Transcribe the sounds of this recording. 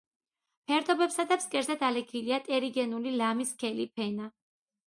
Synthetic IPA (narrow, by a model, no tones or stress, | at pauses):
pʰɛɾd̪ɔbɛpsad̪abskʼɛɾzɛd̪alɛkʰiliat̪ʼɛɾiɡɛnulilamiskʰɛlipʰɛna